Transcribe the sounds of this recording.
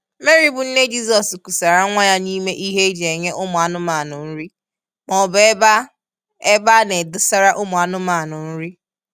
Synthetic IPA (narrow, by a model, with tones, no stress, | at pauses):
me˦ɾi˦bʊ˨n̩˦ne˦d͡ʒi˦sɔ˨sku˨sa˨ɾa˦ŋʷa˦ja˦ni˦me˦ʔi˦ɦe˦d͡ʒe˨ɲe˦ʔʊ˦mʊ˨a˨nʊ˦ma˨nʊ˨n̩˦ɾi˦ | mɔ˨be˦ba˦ | e˦ba˦ne˨dʊ˦sa˦ɾa˦ʔʊ˦mʊ˨a˨nʊ˦ma˨nʊ˨n̩˦ɾi˦